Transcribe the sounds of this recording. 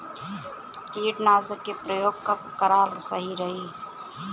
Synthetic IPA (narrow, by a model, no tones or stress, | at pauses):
kiːʈnaːzəkːepɾəjoːɡ̚kakəɾaːɾsəɦiɾəɦiː